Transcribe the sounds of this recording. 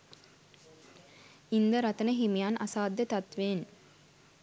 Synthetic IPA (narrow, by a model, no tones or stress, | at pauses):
ind̪əɾɐt̪ənəɦimijaːnʔasaːd̪jət̪at̪ʋeːn